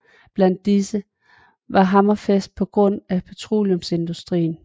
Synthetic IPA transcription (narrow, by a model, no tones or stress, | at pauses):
b̥læn̰d̥ːisə | ʋɑ̈ɦɑ̈mɐfesd̥̚pʰɒ̽ɡ̥ʁɔ̽n̰æpʰæt͡sʰʁo̝̰ːljɔmse̝nd̥usd̥ʁḭːn̩